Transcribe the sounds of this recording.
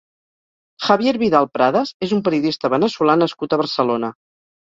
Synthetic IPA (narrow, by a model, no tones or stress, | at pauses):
xəβjeɾβiðalˠpɾaðəzezumpəɾiuðist̪əβənəsulanəskut̪əβəɾsəlonə